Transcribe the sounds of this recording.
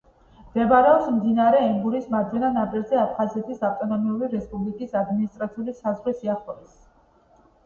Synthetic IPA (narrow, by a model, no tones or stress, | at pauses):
md̪̥ɛbaɾɛɔpsmd̪inaɾɛimɡuɾismad̪zɛnanapʼiɾzɛapʰχazɛt̪ʰisaft̪ʼɔnɔmiuɾiɾɛspʼublikʼisad̪minist̪ʼɾat̪sʰiulisazʁwɛsiaχɔb̪is